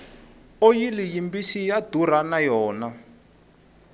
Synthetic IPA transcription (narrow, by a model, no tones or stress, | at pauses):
ojilijimbisijad̥uɾanajɔːna